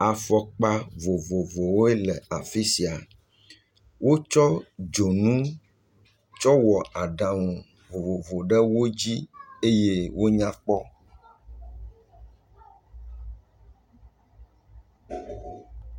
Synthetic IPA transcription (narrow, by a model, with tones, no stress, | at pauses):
a˨fɔ˦k͡pa˦vo˨vo˨vo˨wo˦e˦lɛ˨a˨fi˦si˨a˨ | wo˦t͡ʃɔ˦d͡ʒo˨nũ˦ | t͡ʃɔ˦wɔ˨a˨ɖã˨wɔ̃˨ | vo˨vo˨vo˨ɖɛ˦wo˦d͡ʑi˦e˦je˦wo˦ɲã˦k͡pɔ˦